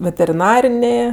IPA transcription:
ʋʲɛtʲɛrʲɪˈnɑːrʲɪnʲeː

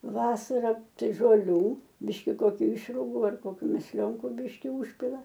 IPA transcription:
ˈʋɑːsɐrɐ ˈtɐɪ ʒoːlʲˈuː ˈbʲɪʃʲkʲɪ koːˈkʲʊ ˈɪʃrʊɡʊ ɐr koːˈkʲuː mʲɛsʲˈlʲoːŋkʊ ˈbʲɪʃʲkʲɪ ˈʊʃʲpʲɪlˠɐ

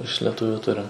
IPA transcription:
ɪʃ lʲɛˈtʊʋʲʊ ˈtʊrʲɪm

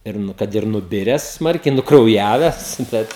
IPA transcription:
ɪr ˈnʊ kɐt ɪr nʊˈbʲɪrʲɛs ˈsmɐrʲkʲɛɪ nʊkrɐʊˈjæːʋʲɛs ˈbʲɛt

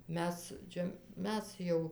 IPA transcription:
ˈmʲɛs ˈt͡ʃʲɛ ˈmʲɛs jɛʊ

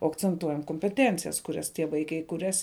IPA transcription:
oː ɐkt͡sʲɛnˈtuɔjɛm koːmʲpʲɛˈtʲɛnʲt͡sʲɪjɛs kʊˈrʲɛs tʲiɛ ˈʋɐɪkɐɪ kʊˈrʲɛs

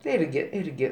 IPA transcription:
tɐɪ ˈɪrʲɡʲɪ ˈɪrʲɡʲɪ

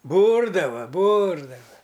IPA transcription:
ˈbuːrdɐʋɐ ˈbuːrdɐʋɐ

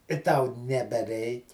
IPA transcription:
ɪ tɐʊ nʲɛbʲɛˈrʲɛɪkʲ

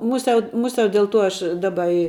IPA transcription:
ˈmʊsʲɛʊ ˈmʊsʲɛʊ dʲɛlˠ ˈtuɔ ˈɐʃ ˈdɑːbɐ ɪ

